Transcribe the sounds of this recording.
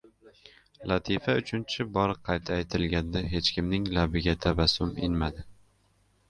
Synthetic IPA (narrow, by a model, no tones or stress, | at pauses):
lat̪ʰifaʊt͡ʃʰʊnt͡ʃʰɪbɒɾqʰːɑjt̪ʰaːjt̪ʰɪlɡʲand̪aɦe̞t͡ʃkʲʰɪmnɪŋlabɪɡʲat̪ʰabasʊmɪ̰nmad̪ɪ